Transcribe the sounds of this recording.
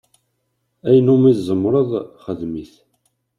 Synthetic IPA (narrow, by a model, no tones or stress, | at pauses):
æjənumizˤəmːɾˤəðˤχəðmiθ